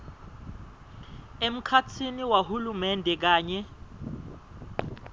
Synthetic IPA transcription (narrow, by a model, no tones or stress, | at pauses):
em̩kʰat͡sʰiniwahulumɛndʱɛk̬aːɲɛ